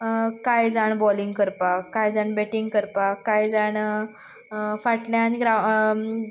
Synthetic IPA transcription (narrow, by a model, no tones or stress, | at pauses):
kajd͡zaɳbɔliŋɡkəɾpakajd͡zaɳbɛʈiŋɡkəɾpakajd͡zaɳ | faʈljãːniɡɾa